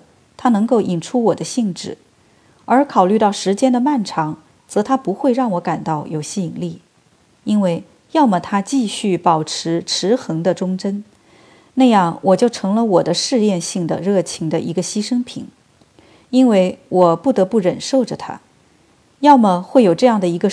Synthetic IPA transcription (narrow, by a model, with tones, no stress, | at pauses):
t̪ʰa˥nɤ˧˥ŋko˥˩ʊʔi˨˩nʈ͡ʂʰu˥wɔ˨˩d̪ə˦ɕi˥˧ŋʈ͡ʂɻ̩˥˩ | ə˞˧˥kʰɑ˨˩ʊly˥˧t̪ɑ˥˩ʊʂɻ̩˧˥t͡ɕjɛ˥nd̪ə˨ma˥˩nʈ͡ʂʰɑ˧˥ŋ | t͡sɤ˧˥t̪ʰa˥pu˧˥xwe˥˧ɪɻɑ˥˩ŋwɔ˧˥ka˨˩nt̪ɑ˥˩ʊjo˨˩ʊɕi˥˩˨ŋli˥˩ | i˥nwe˥˩ɪ | jɑ˥˩ʊmə˩t̪ʰa˥t͡ɕi˥˧ɕy˥˩pɑ˨˩ʊʈ͡ʂʰɻ̩˧˥ʈ͡ʂʰɻ̩˧˥xɤ˧˥ŋd̪ə˧ʈ͡ʂʊ˥ŋʈ͡ʂə˥n | na˥˧jɑ˥˩ŋwʔɔ˨˩t͡ɕjo˥˩ʊʈ͡ʂʰɤ˧˥ŋlə˧wɔ˨˩d̪ə˦ʂɻ̩˥˧jɛ˥˧nɕi˥˩ŋd̪ə̰˩ɻɤ˥˩t͡ɕʰi˧˥ŋd̪ə˨ʔi˧˥ɡə˧ɕi˥ʂɤ˥ŋpʰḭ˨˩˦ŋ | i˥nwe˥˩ɪwɔ˨˩pu˥˩t̪ɤ˧˥pu˥˩ɻə˨˩nʂo˥˩ʊʈ͡ʂə˨˩t̪ʰa̰˥ | jɑ˥˩ʊmə˨˩xwe˥˩ɪjo˨˩ʊʈ͡ʂɤ˥˧jɑ˥˩ŋd̪ə˩i˧˥ɡə˧